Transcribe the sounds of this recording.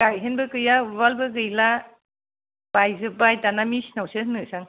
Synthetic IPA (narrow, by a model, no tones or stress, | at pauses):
kajɦenbɯkɯjabalbɯk̬ɯjla | bajzɯbajtanamisnawsɯɦnɯsaŋ